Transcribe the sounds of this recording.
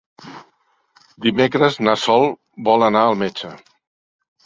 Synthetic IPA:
d̪imekɾəznasɔlˠ | bɔlənaəlˠmet͡ʃə

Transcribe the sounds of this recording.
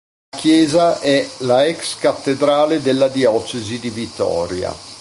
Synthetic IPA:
kjɛːzaʔɛlaɛkskat̪ːed̪ɾaːled̪elːad̪iɔːt͡ʃezid̪ivit̪ːɔ̰ːɾja̰

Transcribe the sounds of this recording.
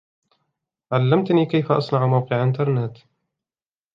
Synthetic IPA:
ʕalːamt̪niːkajfaʔɑ̰sˤnɑʕmawqɨʕʔɪnt̪ɑɾˤnɪt̪

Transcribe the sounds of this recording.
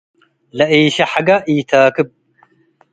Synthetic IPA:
lɐʔiːʃɐħaɡɐʔiːt̪ʰaːkɨb̚

